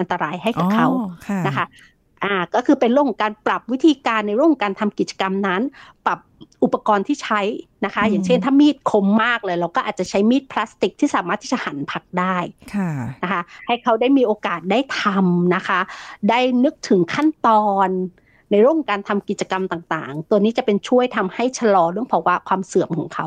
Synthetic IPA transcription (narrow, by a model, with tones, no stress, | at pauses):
ʔnt̪a˧ɾaː˧jɦa˥˩jka˨˩kʰa˦˥wna˦˥kʰa˦˥ | ʔaː˨˩kɔː˥˩kʰɯː˧pe˧nɾɯ˥˩əkʰɔ˨˩˦kaː˧npɾa˨˩p̚wi˦˥t̪ʰiː˧kaː˧nːa˧jɾkʰo˨˦ŋkaː˧nt̪ʰa˧mki˨˩t̪̚t͡ɕḁ˧ka˧mna˦˥nba˨˩p̚ʔu˨˩pːa˧kɔː˧nt̪ʰiː˥˩t͡ɕʰa˦˥jna˦˥kʰa˦˥jaː˨˩ŋt͡ɕʰe˥˩nt̪ʰaː˥˩miː˥˩t̪̚kʰo˧mːaː˥˩k̚lɤː˧jɾa˧wkɔː˥˩ʔaː˨˩t̪̚t͡ɕa˨˩t͡ɕʰa˦˥jmiː˥˩t̪̚pʰla˦˥st̪i˨˩k̚t̪ʰiː˥˩saː˩˦maː˥˩t̪ʰːiː˥˩t͡ɕa˨˩ha˩˦npʰa˦˥k̚daː˥˩jkʰa˥˩na˦˥kʰa˦˥ha˥˩jkʰa˦˥wdaː˥˩jmiː˧ʔoː˧kaː˨˩t̪̚daː˥˩jt̪ʰa˧mna˦˥kʰa˦˥daː˥˩jnɯ˦˥k̚t̪ʰɯ˩˦ŋkʰa˥˩nt̪ɔː˧nː | a˧jɾəho˨˩ŋkaː˧nt̪ʰa˧mki˨˩t̪̚t͡ɕa˧ka˧mt̪aː˨˩ŋt̪a̰ː˨˩ŋt̪u˧əniː˦˥t͡ɕa˨˩pe˧nt͡ɕʰu˥˩əjt̪ʰa˧mha˥˩jt͡ɕʰa˧lɔː˧ɾɯ˥˩əŋpʰɔ˧˩waː˦˧˥kʰwaː˧msɯ˨˩˦əmkʰɔː˩˦ŋkʰa˦˥w